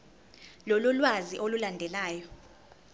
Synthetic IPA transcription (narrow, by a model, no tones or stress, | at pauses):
lɔlɔlwaziʔolulandʱɛlaːjɔ